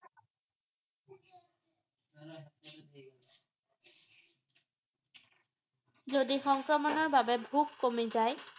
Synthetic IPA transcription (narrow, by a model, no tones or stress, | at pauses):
zodixɔŋkɹɔmɔnɔɹbabɛbʱukːomizaj